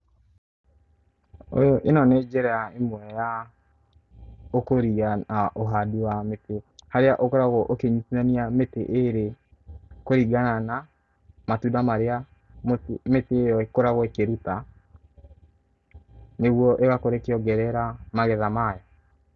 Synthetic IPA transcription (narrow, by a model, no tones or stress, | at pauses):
o̰jɔʔenɔnɛd͡ʒɛɾɛaemwɛja | okoɾiaaʔoɦaduwametehaɾeaʔokoɾaɣɔʔokeɲusianiameteʔeɾe | koɾiɡanana | matudamaɾea | mtmetejɔekoɾaɣwɔkeɾuta | neɣwɔʔeɣakoɾekeɔɡɛɾɛɾamaɣɛðamajɔ